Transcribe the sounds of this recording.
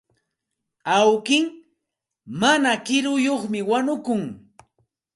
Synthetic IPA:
awkɪŋ | manakɪɾʊjoχmɪwanʊkʊŋ

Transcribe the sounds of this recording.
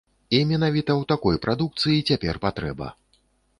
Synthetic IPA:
imʲɛnavʲit̪ɐwt̪akɔjpɾad̪uk̚t̪sɨjit͡sʲapʲɛrpat̪ɾɛbɐ̰

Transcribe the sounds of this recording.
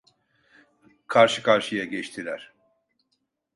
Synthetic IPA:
kʰaɾʃɯkʰaɾʃɯjaɟɛt͡ʃt̪ʰilʲæɾ̥

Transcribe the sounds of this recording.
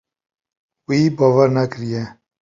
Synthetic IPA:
wiːbaːwaɾnakɨɾijɛ

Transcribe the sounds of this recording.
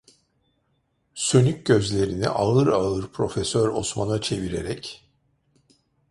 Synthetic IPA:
sønyc̚ʲɟø̞zlʲe̞ɾinḭʔaɯɾaɯɾpʰɾo̞fesøɾo̰smanat͡ʃʰe̞viɾeɾɛc

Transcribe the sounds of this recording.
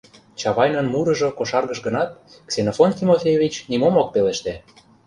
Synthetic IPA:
t͡ɕɑβɑjnə̆nmuɾɤ̆ʒŏkoʃɑrɣəʃɡənɑt̪̚ | ksenofont̪ʲimofʲejevʲit͡ɕnimomok̚peleʃt̪e

